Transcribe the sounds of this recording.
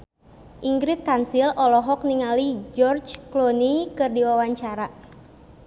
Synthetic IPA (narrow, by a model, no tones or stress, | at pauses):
ʔiŋɡɾɪt̪̚kansilɔlɔɦɔk̚niŋalid͡ʒɔrd͡ʒklonikɨrdiwawaɲt͡ʃaɾa